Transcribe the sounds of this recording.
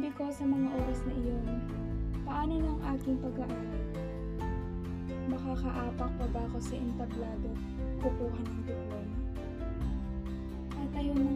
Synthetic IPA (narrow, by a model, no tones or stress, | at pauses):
bɪko̞sɐmɐŋaʔo̞ːɾɐsnɐʔɪjo̞n | pɐʔaːno̞nɐɐŋʔaːkɪŋpɐɡɐʔɐpɛt̪ | mɐkakɐʔaːpɐk̚pɐbaːkosɐʔɪnt̪ɐblaːd̪o̞ | kʊpuːɦɐnɐŋt̪ʊpajɐ | ʔɐt̪ʔɐjonmɐ